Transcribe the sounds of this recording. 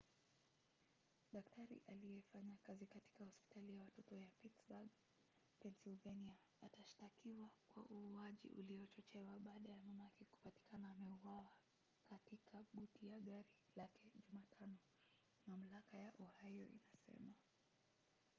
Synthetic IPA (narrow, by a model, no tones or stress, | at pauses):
ɗaktʰaɾḭʔalijɛfaɲakazikati̥kahɔspi̥talijawatɔtɔjapitsbaɡ | pɛnsilvɛnia | ataʃtakiwakwa̰ʔuːaʄḭʔṵliɔt͡ʃɔt͡ʃɛwaɓaːɗajamamakiku̥pati̥kanaːmɛuwawa | katikʰaɓutijaɠaɾilakɛʄumatʰanɔ | mam̩lakajaʔɔhajɔ̰ʔḭnasɛ̰ma